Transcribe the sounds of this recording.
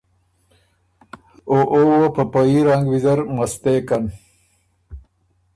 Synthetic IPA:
oʔowopəpaiɾaŋɡwizəɾmast̪ekan

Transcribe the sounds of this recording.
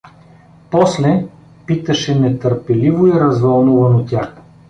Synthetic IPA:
pɔslɛ | pit̪ɐʃɛnɛt̪əɾpɛlivoiɾɐzvɐlˠnuvɐnot̪ʲax

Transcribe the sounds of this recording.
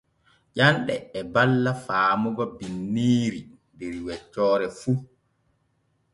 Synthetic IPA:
ʄanɗɛ̰ːbalːafaːmɔɡɔbinːiːɾindɛɾwɛt͡ʃːɔːɾɛfu

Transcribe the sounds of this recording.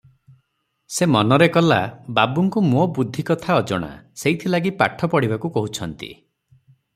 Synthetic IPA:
semɔnɔɾekɔlababuŋkumobud̪ʱːikɔt̪ʰaɔd͡ʒɔɽ̃a̰seit̪ʰilaɡipa̰ʈʰɔpɔɽibakukɔɦut͡ʃʰɔnt̪ḭ

